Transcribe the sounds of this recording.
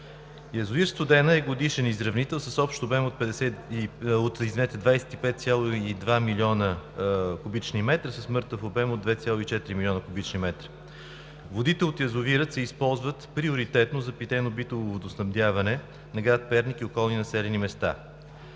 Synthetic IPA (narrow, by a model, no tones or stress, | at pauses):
jɐzʊviɾst̪vod̪ɛnəɛɡod̪iʃɛnizɾɐvnit̪ɛlˠsəsɔpʃt̪obɛmot̪̚pɛd̪ɛsɛiot̪izvinɛt̪ɛd̪vajsɛ̥t̪ipɛt̪̚t̪sʲjalˠoid̪vamilʲiɔnəkʊbit͡ʃnimɛt̪ɾəsəsmɤɾt̪əfobɛmod̪vɛt̪sʲjalˠoit͡ʃɛt̪iɾimilʲɔnəkʊbit͡ʃnimɛt̪ɾə̥ | vod̪it̪ɛot̪jɐzʊviɾət̪sɛispɔlˠzvət̪pɾioɾit̪ɛt̪nozɐpit̪ɛnobit̪ovˠovod̪ʊsnɐmd̪javɐnɛ | nɐɡɾat̪̚pɛɾnikiokɔlˠninɐsɛlɛnimɛst̪a̰